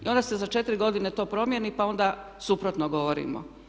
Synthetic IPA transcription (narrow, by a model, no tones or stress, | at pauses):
ḭo̞nd̪ase̞zat͡ʃe̞t̪iɾiɡo̞d̪inet̪o̞ːpɾo̞mjenipao̞nd̪a | supɾot̪noɡo̞ʋoɾḭmo̰